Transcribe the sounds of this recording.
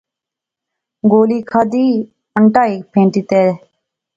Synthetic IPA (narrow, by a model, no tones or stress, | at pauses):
ɡoːliːkʰaːd̪iː | əɳʈaːiːkpʰẽːɳʈiːt̪eːɾɛ